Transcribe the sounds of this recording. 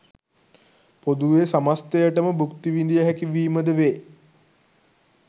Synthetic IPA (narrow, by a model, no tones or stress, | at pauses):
pod̪uʋesamast̪ejəʈəməbukt̪iʋind̪ijəɦækiʋiːməd̪əʋeː